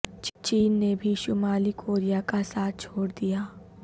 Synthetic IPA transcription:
t͡ʃt͡ʃiːnːebʱiʃʊmaːlikʰoːɾijakasaːt̪̚ʰt͡ʃʰoːɽd̪ijaː

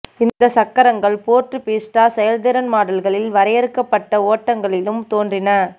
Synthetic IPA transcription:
ɪnd̪ɐsɐkːɐɾɐŋɡɐɭpoːrʈrɯpiːsʈaːsɛjɐld̪ɪɾɐnmaːɽɐlɣɐɭɪlʋɐɾɐjɐɾɯkːɐpːɐʈːɐoːʈːɐŋɡɐɭɪlɯmt̪oːndrɪnɐ

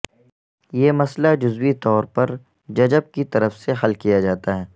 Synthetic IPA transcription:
jeːmɐslad͡ʒʊzwit̪ɔːɾpɐɾ | d͡ʒɐd͡ʒəb̚kit̪ɐɾəfseɦɐlkijad͡ʒaːt̪aɦɛː

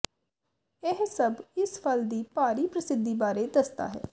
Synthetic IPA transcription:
ɪɦsəbɪsfʰəld̪iːpaːɾiːpɾəsɪd̪ːiːbaːɾeːd̪əst̪a̰ːɦɛ̰ː

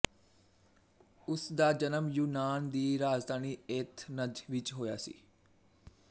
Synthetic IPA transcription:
ʊsd̪aːd͡ʒənəmjuːnaːnd̪iːɾaːzd̪ʱaːniːet̪ʰnəd̪ʋɪt͡ʃɦoːja̰ːsḭː

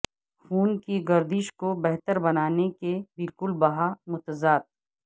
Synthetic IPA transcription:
xuːnkiɡɐɾd̪ɪʃkobɛɦt̪əɾbɐnaːnekebɪlkʊlbɐɦamʊt̪əzaːd̪̚

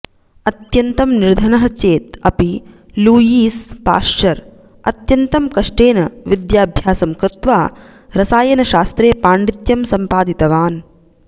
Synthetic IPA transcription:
ɐt̪jɐnt̪ɐmniɾd̪ʱɐnɐɦɐt͡ʃeːt̪ɐpi | luːjiːspa̰ːʂʈɐɾ | ɐt̪jɐnt̪ɐmkɐʂʈeːnɐʋid̪jaːbʱjaːsɐmkɾɪt̪ʋaː | ɾɐsaːjɐnɐʃaːst̪ɾeːpaːɳɖit̪jɐmsɐmpaːd̪it̪ɐʋaːn

